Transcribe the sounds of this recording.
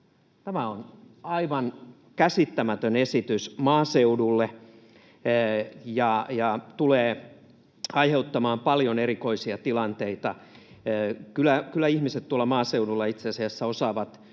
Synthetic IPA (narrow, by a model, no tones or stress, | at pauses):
t̪æmæon | ɑiʋɑn | kæsit̪ːæmæt̪ønesit̪ysmɑːseudulːe | jɑjɑt̪uleː | ɑiheut̪ːɑmɑːmpɑljoneɾiko̞isiɑt̪ilɑnt̪eit̪ɑ | kylˑækylːˑæihmiset̪t̪uolːɑmɑːseudulːɑit̪seɑsiæsːæosɑːʋɑt̪